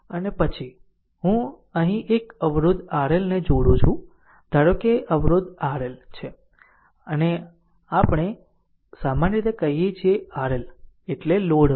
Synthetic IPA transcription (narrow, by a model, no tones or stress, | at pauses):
ənepət͡ʃʰi | ɦũ | əɦĩʔekəʋɾʊd̪ʱaɾelned͡ʒoɽũt͡ʃʰũ | d̪ʱaɽokeʔəʋɾʊd̪ʱaɾelt͡ʃʰe | əne | apɳ̃e | samanɾit̪ekəɦijet͡ʃʰieaɾeleʈleloɽ